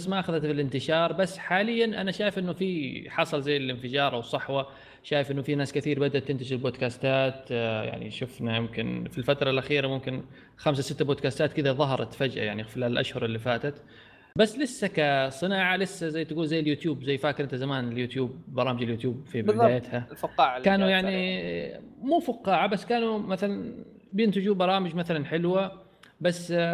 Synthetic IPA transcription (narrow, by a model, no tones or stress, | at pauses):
asːmaʔaxaðat̪fɪlɪnt̪ɪʃɑːɾˤbasːħaːlɪjːanʔa̰naʃaːjɪfʔɪnːʊfiħɑsˤɑlzajːɪlɪnfɪd͡ʒɑːɾˤʔawsˤːɑħwa | ʃaːjɪfʔɪnːʊfinaːskaθiːɾbad̪ʔat̪ːɪnt̪aʃɪlboːd̪kaːst̪aːt̪ja̰ʕnḭʃʊfnajɪmkɪnfilfat̪ɾˤɑlʔaxiːɾamʊmkɪn | xams̬asɪt̪ːaboːd̪̚kaːst̪aːt̪kɪd̪aðˤɑɦɑɾˤɑ̰t̪fad͡ʒʔa̰jaʕnifilalʔa̰ʃhʊɾˤɪlːifaːt̪at̪ | basːlɪsːakasˤɨnaːʕalɪsːazajːt̪ɪɡuːlzajːɪljuːt̪juːbzajːfaːkɪɾʔɪnt̪azamaːnɪljuːt̪juːb̚bɑɾˤɑːmɪd͡ʒɪljuːt̪juːb̚fibɪdaːjat̪halfʊqːɑːʕkaːnujaʕni | muːfʊqːɑːʕabasːkaːnumaθalan | bjɪnt̪ɪd͡ʒuːbɑɾˤɑːmɪd͡ʒmaθalanħɪlwa | basː